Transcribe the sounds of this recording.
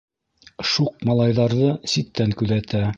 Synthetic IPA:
ʃuq̚mɑlˠɑjðɑɾðɤsit̪ːæŋkʉðæt̪æ

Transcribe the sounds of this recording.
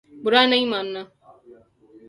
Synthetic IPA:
bʊɾaːnɐɦĩːmaːnːaː

